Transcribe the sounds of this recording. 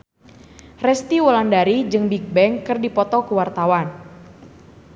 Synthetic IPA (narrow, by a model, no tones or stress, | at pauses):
rɛst̪iwɔlandaɾid͡ʒɨŋbik̚bɛŋkɨrdipɔt̪ɔkəwart̪awan